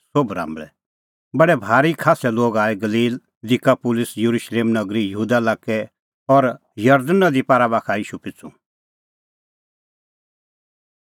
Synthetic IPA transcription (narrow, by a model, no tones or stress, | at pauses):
sobɾã̰ːmbɭɛ̰ | bɐɽɛbʱaːɾikʰaːsɛloːɡaːɛɡɐliːl | d̪ikapʊlɪsjəɾuːʃleːmnɐɡɾijəɦuːd̪alaːkːɛ | ɔɾ | jɐɾd̪ənːad̪ipaːɾabaːkʰaiːʃupɪt͡sṵ̃